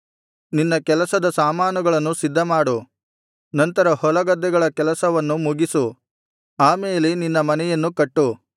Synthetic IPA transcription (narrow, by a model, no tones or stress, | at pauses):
ninːɐkɛlɐsɐd̪ɐsaːmaːnuɡɐɭɐnːusid̪ʱːɐmaːɽu | nɐnt̪ɐɾɐhɔlɐɡɐd̪ːɛɡɐɭɐkɛlɐsɐʋɐnːumuɡisu | aːme̞ːleninːɐmɐnɛjɐnːukɐʈːu